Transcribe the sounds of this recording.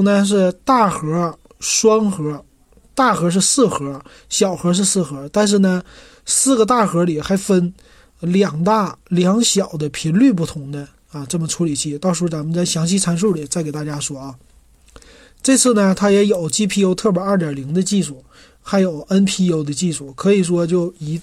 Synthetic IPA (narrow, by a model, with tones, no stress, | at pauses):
ŋnə˧ʂ̬ɻ̩˥˧t̪a˥˩xɤ˧˥ | ʂwɑ˥ŋxɤ˧˥ | t̪a˥˩xɤ˧˥ʂ̬̩˥˧sɹ̩˥˩xɤ˧˥ | ɕjɑ˨˩ʊxɤ˧˥ʂ̬ɻ̩˥˧sɹ̩˥˩xɤ˧˥t̪a˥˧nʂ̬ɻ̩˥˩nə˩ | sɹ̩˥˩ɡə˩t̪̬a˥˩xɤ˧˥li˨˩xa˧˥ɪfə˥n | ljɑ˨˩ŋt̪a˥˩ljɑ˧˥ŋɕjɑ˨˩ʊd̪ə˦pʰi˧˥nly˥˧p̬u˥˩t̪ʰʊ˧˥ŋd̪ə˧ | a˧ʈ͡ʂɤ˥˩mə˩ʈ͡ʂʰu˧˥li˨˩t͡ɕʰi˥˩t̪ɑ˥˧ʊʂɻ̩˧˥u˥˩t͡sa˧˥mə˧nt͡sa˥˩ɪɕjɑ˧˥ŋɕi˥˧t͡sʰa˧˥nʂ̬u˥˩li˨˩t͡sa˥˩ɪke˨˩ɪt̪a˥˩t͡ɕja˥ʂwɔ˥ɐ˥˩ | ʈ͡ʂɤ˥˧t͡sʰɹ̩˥˩nə˩t̪ʰa˥jɛ˧˥jo˨˩ʊt͡ɕi˥pʰi˥˩o˧˥ʊt̪ʰɤ˥˩pjɐ˞˥˩t̬jɑ˨˩li˧˥ŋd̪ə˧t͡ɕi˥˧ʂu˥˩ | xa˧˥ɪjo˨˩˦ʊʔə˥npʰi˥o˧˥ʊd̪ə˧t͡ɕi˥˩ʂu˥˩kʰɤ˧˥i˨˩ʂwɔ˥t͡ɕjo˥˩ʊi˧˥